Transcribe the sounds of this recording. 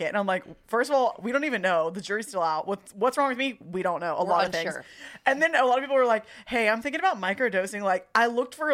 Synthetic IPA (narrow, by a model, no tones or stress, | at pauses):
ɪɨ̃nãɪ̃mlaɪkfɜ˞stʌvɔlˠwiɾõʊ̃ntivɨ̃nːoʊðɨd͡ʒʊɹistɪlˠaʊt̚wʌtwʌtsɹɔ̃ŋwɨðmiwiɾõʊ̃nːoʊʔəlɔɾʌθɪ̃ɨ̃nðɨ̃nəlɑɾəv̥pipl̩ˠwə˞laɪkheɪãɪ̃mθɪ̃ŋkɪ̃ŋɨbaʊt̚maɪkə˞doʊsɪ̃ŋlaɪkʔaɪlʊk̚tfə˞